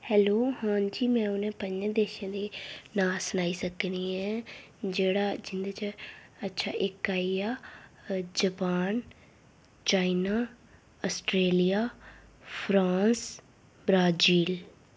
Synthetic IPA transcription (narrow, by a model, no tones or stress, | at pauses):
hɛːloːhãːɲd͡ʒiːmɛ̃ːʊnẽːpəɲd͡ʒ̃d̪eːʃãːd̪eːnaːlsənaːiːsəkniːɛ̃ː | d͡ʒeːɽaːd͡ʒɪnd̪aːt͡ʃəətːʃʰaːʔɪkːaːiaː | d͡ʒəpaːn | t͡ʃaːinaː | əsʈɾeːlijaːpʰɾãːns | bɾaːd͡ʒiːl